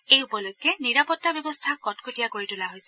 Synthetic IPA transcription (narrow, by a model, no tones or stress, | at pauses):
ejupɔlojkːɛniɹapɔtːabjɔbɔstʰakɔtkʰotijakoɹitʊlaɦojsɛ